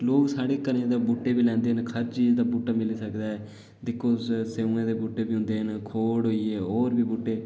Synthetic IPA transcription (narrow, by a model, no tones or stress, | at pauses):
loːksaːɽeːkəɾnẽːd̪aːbuːʈːeːbiːlɛ̃ːnd̪eːənkʰəɾt͡ʃiːzd̪aːbuːʈːaːmɪliːsəkd̪aːɛː | d̪ɪkʰːoːsseːũːẽːd̪eːbuːʈːeːbiːɦʊ̃nd̪eːɦənkʰoːɽɦoːiːɛːɦoːɾbiːbuːʈːeː